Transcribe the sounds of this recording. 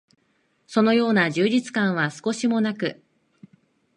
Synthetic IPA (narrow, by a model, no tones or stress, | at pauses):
so̞no̞jo̞ːnaʑɨːd͡ʑit͡sɨ̥kãɰ̃βasɨ̥ko̞ɕimo̞nakɯ̟